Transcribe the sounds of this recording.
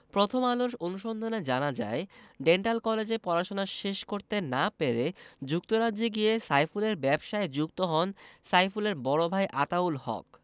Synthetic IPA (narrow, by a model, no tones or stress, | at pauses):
pɾot̪ʰomaloʃonuʃond̪ʱaned͡ʑanad͡ʑa̰eɖeɳʈalkɔled͡ʑepɔɾaʃonaʃeʃkoɾt̪enapeɾed͡ʑuk̚t̪oɾadːiɡiesajfuleɾbɛbʃaed͡ʑukt̪oɦɔnsajfuleɾbɔɽobʱajʔat̪aulhɔ̰k̚